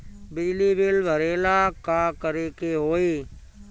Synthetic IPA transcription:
bɪd͡ʒliːbɪlʋʱəɾeːlaːkaːkəɾeːkeːɦoːiː

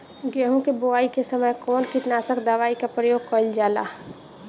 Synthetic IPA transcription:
ɡɛɦõkeboaːikesəməjkɔːnkiʈnaːsəkd̪əʋaːikapɾəjoːɡ̚kəld͡ʒaːla̰

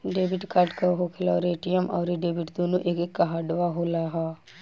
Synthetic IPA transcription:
ɖeːbɪʈkaɾʈkaɦokʰɪlaɾeːʈijəmʔɔ̰ːɾeɖeːbɪʈd̪oːnoʔeːkekːaɦaːɖʋaɦoːlaɦaː

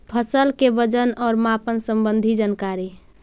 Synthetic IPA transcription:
pʰəsəlkebəd͡ʒənɔɾmapənsəmbənd̪ʱid͡ʒənkaɾi

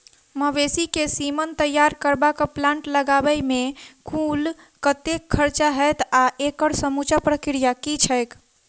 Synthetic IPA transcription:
məʋesikesimənt̪əjːaɾkəɾbakəplãɳʈləɡabəjmekʰul | kət̪ekʰːəɾt͡ʃaɦət̪aʔekəɽsəmut͡ʃapɾəkɾijakit͡ʃʰəjk

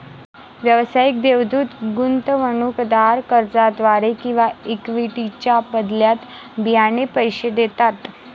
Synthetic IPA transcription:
ʋjəʋsajik̚d̪eʋd̪ʱuːt̪ɡunt̪əʋəɳuːkd̪aɾkəɾd͡zad̪ʋaɾekĩw̃ʋaikʋiʈit͡ɕjabəd̪ljat̪ | bijanepəjɕed̪et̪at̪

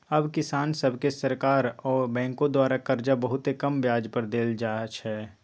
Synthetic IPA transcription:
ɐbkɪsaːnsəbʱkesɐɾkaːɾɔːɾbɛ̃ːŋkõd̪waːɾakɐɾd͡ʒabɐɦʊt̪ekɐmʋjaːd͡ʒpəɾd̪eːld͡ʒaːt͡ʃʰɛː

